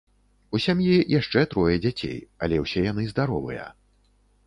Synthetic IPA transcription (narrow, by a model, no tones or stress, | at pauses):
usʲamjijaʂt͡ʂɛt̪ɾɔjɐd͡zʲat͡sʲḛjɐ̰lʲɛwsʲɛjanɨzd̪aɾɔvɨ̰jɐ̰